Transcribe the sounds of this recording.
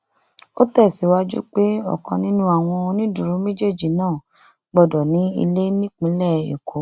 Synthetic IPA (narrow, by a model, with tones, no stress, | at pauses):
o˦tɛ˦˨si˨wa˧d͡ʒṵ˦k͡pe˦ɔ̰˦˨kã˧nĩ˦nũ˦a˦˨w̃ɔ̃˧o˧nĩ˦du˨ɾu˨˦me˦d͡ʒe˦˨d͡ʒi˨nãː˦˨ | ɡ͡bɔ˦˨dɔ˨nĩ˨˦ḭ˧le˦nĩ˦k͡pĩ˨˦lɛ˦˨ḛ˨ko˨˦